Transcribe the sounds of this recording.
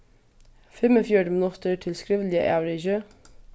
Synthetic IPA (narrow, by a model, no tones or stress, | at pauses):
fɛmɔfjuːɖəmɪnʊt̪əɹʈʰɪlskɾiːʋəl̩ɪə̰ʔæːɾeçø